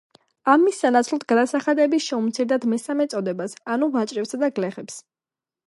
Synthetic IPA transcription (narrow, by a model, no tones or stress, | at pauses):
amːisːanat̪sʰlˠɔt̪̚ʰɡad̪asaχad̪ɛbiʃɛumt̪sʰiɾd̪ad̪mɛsamɛt̪sʼɔd̪ɛbasanuvat͡ʃʼɾɛpsad̪aɡlɛχɛps